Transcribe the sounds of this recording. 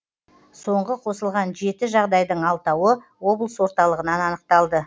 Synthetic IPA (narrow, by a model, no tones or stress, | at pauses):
so̞ɴʁəqʰo̞səlˠʁɑnʒe̞t̪ɪʒɑʁd̪ɑjd̪əɴɑlˠt̪ɑwə | wo̞blˠəswo̞ɾt̪ɑlˠəʁənɑnɑnəq̚t̪ɑlˠd̪ə